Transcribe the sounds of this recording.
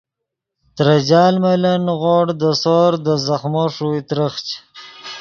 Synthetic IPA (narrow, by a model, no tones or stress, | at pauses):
t̪ɾad͡ʑɑːlmalanɣoːɽd̪əsoɾd̪əzaxmoʂuit̪ɾəχt͡ʃ